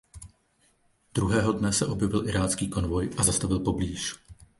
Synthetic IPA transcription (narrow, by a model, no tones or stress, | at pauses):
d̥ɾuɦɛːɦo̞dnɛsɛʔo̞bjɛvɪlʔɪɾaːt͡skiːko̞nvo̞jʔazast̪avɪlpo̞bliːʃ